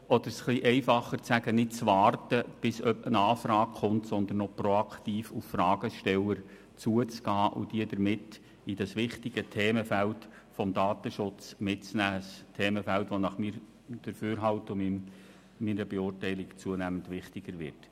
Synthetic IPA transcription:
ɔd̪əɾsχliʔɛɪfɑχːəɾt͡sæɡənɪt̚t͡sʋɑːrtəb̥ɪsœpənɑːfɾɑːkχʊmtsɔnd̪ən̩ːɔprɔɑkt̪iːfuffɾɑːɡ̥əʃtɛləɾ | t͡suət͡sɡ̥ɑːʔʊ̰d̥iədəɾmɪt | id̥ɑsʋɪχtɪɡ̥ətʰeːməfælt | fɔmd̪ɑːtəʃʊt͡smɪtt͡snæːstʰeːməfælt̪ʋɔnɑχmiɾ | d̥əɾføːɾɦɑltʊmim | minəbeʊrtɛɪlɪkt͡suənæmənt̪ʋɪχtɪɡ̥əɾʋɪ̰rt

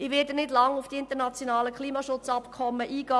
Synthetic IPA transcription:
ɪʋɪːdənɪdlɑŋʊfd̥iɪntənat͡sjonɑːləkχliːmɑʃʊt͡sɑpkʰɔməʔiːɡ̥ɑː

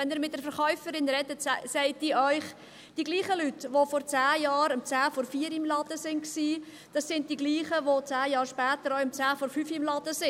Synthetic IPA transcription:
ɛnɪːɾmɪt̚d̥ɛɾfɛɾχœʏfəɾɪnɾɛdətsɛɪtdiːʔœʏχ | d̥iɡliːχəlytʋofɔɾt͡sæːjɑːɾəmt͡sæːfɔɾfiːəɾɪmlɑd̥əsɪnksiː | d̥ɑsːɪnt̚diɡliːχəʋot͡sæːjɑːɾʃpæːtəɾɔʊəmt͡sæːfɔɾfyfɪmlɑd̥əsɪ

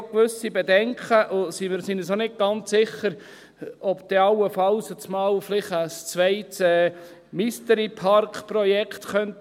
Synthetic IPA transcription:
kʋʏsibedɛŋkχəʔʊsimɪɾsinəsonɪt̚ɡ̥ɑnt͡ssɪχəɾ | ɔbd̪̥ɛɑwːəfɑlsət͡smɑːluflɪχəst͡sʋɛɪtsɛ | mistəɾipʰɑɾkpɾɔjɛkχtχœnt

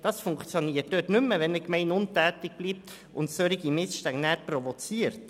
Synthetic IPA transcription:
d̥ɑsfʊŋkt͡sjoniːətdøtnʏmːəʋɛnəkmɛɪnʊntæːtɪk̚b̥liːp̚t̪ | ʊntsøɾiɡimɪsʃtæŋnæːɾpɾɔvɔt͡siəɾt

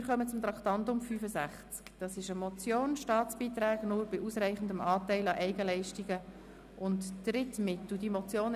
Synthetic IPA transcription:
ɾχœmət͡sʊmt̪ɾɑktɑntʊmfyːfəsæχt͡skd̥ɑsɪʃəmɔt͡sjoːnʃtɑːt͡sb̥iːt̪ɾæːɡnʊːɾb̥ɪʔusɾɛɪχən̩dəmɑːtɛɪlɑʔɛɪɡəlɛɪʃtiɡə | ʔʊntːɾɪtmɪt̪l̩dimɔt͡sjoːn

